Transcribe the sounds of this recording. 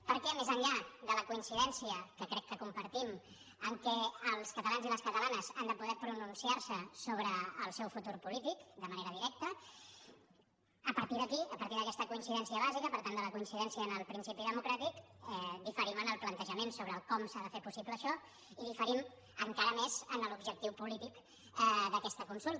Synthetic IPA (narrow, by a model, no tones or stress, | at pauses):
pəɾkɛmezəɲʎaðələkuinsiðɛnsiəkəkɾɛkːəkumpəɾt̪im | əŋkɛəlˠskət̪əlanziləskət̪əlanəzand̪əpuðɛpɾununsiaɾsəsoβɾəːlˠsɛwfut̪uɾpulit̪ikd̪əməneɾəð̞iɾɛk̚t̪ə | əpəɾt̪iðəkiəpəɾt̪iðəkɛst̪əkuinsiðɛnsiəβazikəpəɾt̪and̪ələkuinsiðɛnsiəːnəlˠpɾinsipiðəmukɾat̪ikɛd̪ifəɾimənəlˠplənt̪əʒəmensoβɾəlkɔmsaðəfepusipləːʃɔ | iðifəɾim | əŋkaɾəmezənəlubʒək̚t̪iwpulit̪ik | ɛðəkɛst̪əkunsulˠt̪